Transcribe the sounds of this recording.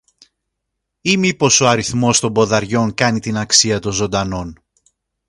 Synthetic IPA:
imipo̞so̞ɐɾiθmo̞st̪o̞mbo̞ðɐɾʝo̞ŋkɐnit̪inɐksiɐt̪o̞nzo̞nd̪ɐno̞n

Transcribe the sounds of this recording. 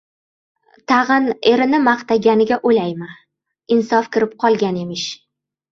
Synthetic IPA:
t̪ʰɑʁɨne̞ɾɪnɪmaqt̪aɡʲanɪɡʲaʔojlajma | ɪnsɒfkʲɪɾɪp̚qʰɒlˠɡʲane̞mɪʃ

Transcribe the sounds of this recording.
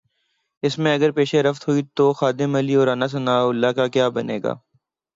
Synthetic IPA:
ɪsmẽɐɡəɾpeːʃeɾɐft̪ɦuit̪oːxaːd̪ɪmɐliɔːɾaːnas̬ʊnaːʊlːaːkakjaːbɐnḛːɡa̰ː

